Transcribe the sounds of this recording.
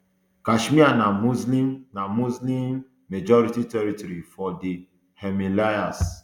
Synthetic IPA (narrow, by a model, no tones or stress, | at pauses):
kaʃmianamuzlimnamuzlimː | ed͡ʒɔɾititɛɾitɔɾifɔdi | hɛmilajas